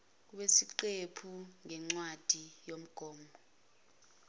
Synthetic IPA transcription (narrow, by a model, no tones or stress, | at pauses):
k̬uɓesiǀepʰuŋɛŋ͡ǀwad̥ʱijom̩ɡ̥ʱɔːmbɔ